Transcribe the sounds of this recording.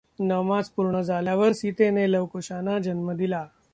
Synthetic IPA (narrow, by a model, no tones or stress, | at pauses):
nəʋmat͡spuɾɳəd͡zaljaʋəɾsit̪eneləʋkoɕanad͡ʑənməd̪ila